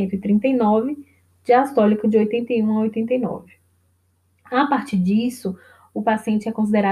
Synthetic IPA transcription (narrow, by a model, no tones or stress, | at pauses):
ẽnt̪ʊɪt̪ɾĩnt̪ejnɔvɪ | d͡ʒɪast̪ɔlikɐd͡ʒɪojt̪ẽnt̪ejũaojt̪ẽnt̪ejnɔ̰vɪ | apaɾt͡ʃiɾd͡ʒisʊ | ʊpasiẽnt͡ʃɪɛkõsid̪eɾa